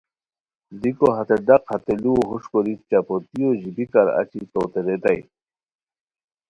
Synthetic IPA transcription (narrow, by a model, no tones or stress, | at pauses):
d̪ikoɦat̪eɖaqhat̪eliwoɦuʂkoɾit͡ɕapot̪ioʑibikaɾa̰t͡ɕit̪owt̪eɾet̪aj